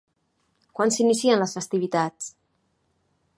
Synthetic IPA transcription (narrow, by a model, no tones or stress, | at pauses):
kwansinisiənləsfəst̪iβ̞it̪at͡s